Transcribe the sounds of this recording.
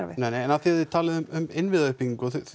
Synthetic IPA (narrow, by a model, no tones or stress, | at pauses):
nejnejɛnaθiaðvɪt̪ʰaːlɪðʏmʏmɪnvɪðaʏhpiŋkɔθ